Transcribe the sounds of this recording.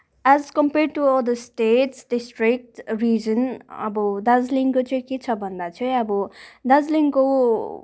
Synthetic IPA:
azkʌmpeɾɖ̚ʈuɔd̪əsʈeʈsɖisʈrik̚ʈrid͡zʌnʌ̰bʌd̪ad͡zliŋkot͡sʌj̃ket͡sʰʌbʱʌnd̪at͡sʰʌj̃ʌbʌd̪ad͡zliŋko

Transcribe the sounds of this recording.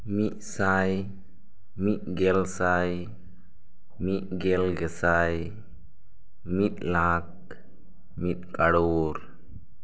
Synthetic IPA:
miʔ̚saj | miʔ̚ɡɛlsaj | miʔ̚ɡɛlɡɛsaj | mit̪̚lak̚ | mit̪̚kʼaɽwɔɾ

